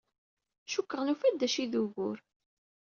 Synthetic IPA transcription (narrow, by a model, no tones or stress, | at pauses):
ʃukːəʁnufæd̪ːæʃiðuɣʊɾ